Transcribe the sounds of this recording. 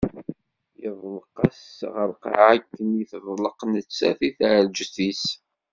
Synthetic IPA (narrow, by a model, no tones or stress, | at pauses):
jəðˤləqæsʁəɾqʕakːənjiθəvləqnət͡sːæθiθʕld͡ʒθis